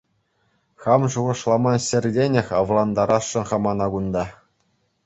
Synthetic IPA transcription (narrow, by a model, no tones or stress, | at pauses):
χɑmʐuʁɤ̆ʂlˠɑmɑɕɘ̆rʲdʲenʲɘ̆xʲɑʋlˠɑnd̪ɑɾʔɑʂːɤ̆nχɑmɑnɑɡund̪ɑ